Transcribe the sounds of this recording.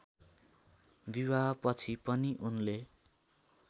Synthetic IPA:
biwapʌt͡sʰipʌniʔunle

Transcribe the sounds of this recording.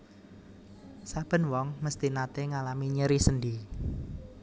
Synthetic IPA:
sab̥ə̤nwɔŋməst̪inat̪eŋalamiɲəɾisəndi

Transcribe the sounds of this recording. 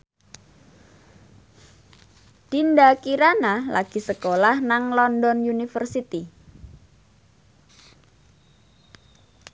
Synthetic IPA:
d̪̥indakiɾanalʔa̰ɡ̥i̤səkolahnaŋlɔndɔnjunifərsit̪i

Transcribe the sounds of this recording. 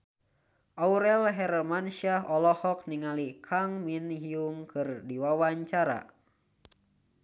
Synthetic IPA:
ʔauɾɛlɦɛrmanʃiaɦɔlɔhɔk̚niŋalikʰaŋminɦiuŋkɨrdiwawaɲt͡ʃaɾa̰

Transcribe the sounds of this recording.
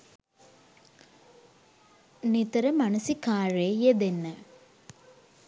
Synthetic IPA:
nit̪ɐɾɐmɐnɐsikaːɻeːjed̪enːɐ

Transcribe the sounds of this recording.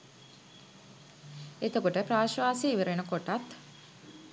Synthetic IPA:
et̪əkuʈəpɾaːʃʋaːseiʋəɾenəkoʈat̪

